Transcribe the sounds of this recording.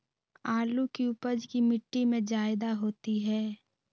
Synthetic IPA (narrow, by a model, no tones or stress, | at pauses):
aːlukiʊpəd͡ʒkimɪʈːimẽd͡ʒaːɪd̪aɦoːt̪iɦɛː